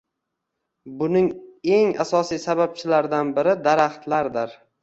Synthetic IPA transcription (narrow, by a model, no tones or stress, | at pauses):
bʊnɪŋe̞ŋa̰sɒsijsabap̚t͡ʃʰɪlaɾd̪anbɪɾɪd̪aɾaχt̪laɾd̪ɪɾ